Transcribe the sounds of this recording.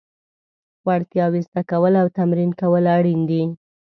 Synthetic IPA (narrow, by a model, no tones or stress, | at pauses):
waɽt̪jɑwist̪akawəlawt̪amɾinkawəlaɽind̪i